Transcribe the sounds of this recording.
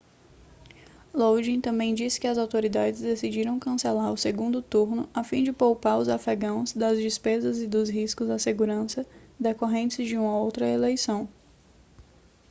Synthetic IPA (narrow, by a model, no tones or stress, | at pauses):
lowd͡ʒĩt̪ɐ̃mbẽj̃d͡ʒisɪ̥kɪɐzawt̪oɾid̪ad͡ʒɪzd̪esid͡ʒiɾɐ̃w̃kɐ̃selaɾʊseɡũnd̪ʊt̪uɾnʊafĩd͡ʒɪpowpaɾʊzafɛɡɐ̃w̃zd̪ɐzd͡ʒispezɐzɪd̪ʊzɦiskʊzɐseɡuɾɐ̃sɐd̪ekoɦẽnt͡ʃɪzd͡ʒɪũmɐowt̪ɾɐelejsɐ̃w̃